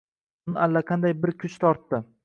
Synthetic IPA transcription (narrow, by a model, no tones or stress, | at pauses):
nɪalːaqʰɑnd̪ajbɪɾkʲʰʊt͡ʃt̪ʰɒɾt̪ːɪ